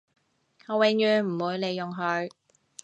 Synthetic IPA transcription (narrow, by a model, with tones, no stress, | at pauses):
hɔː˨˧wɪ˨˧ŋjyː˨˧nm̩˨˩wuː˨˧jle˨˧jːʊ˨ŋɦɵ˨˧ɥ